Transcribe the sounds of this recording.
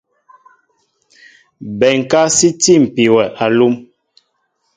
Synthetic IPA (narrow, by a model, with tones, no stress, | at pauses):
bɛ˨ŋ˨ka˦si˦ti˦˨m̩˨pi˨wɛ˨ʔa˨lu˦m